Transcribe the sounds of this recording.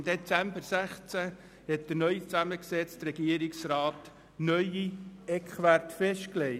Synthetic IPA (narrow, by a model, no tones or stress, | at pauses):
md̪et͡sæmbəɾsæχt͡sæ | hɛt̚d̥əɾnœʏt͡sæməksɛt͡stɾɛɡiəɾiksrɑːt̪ | nœjiɛkχʋæɾtfɛʃtkleɪ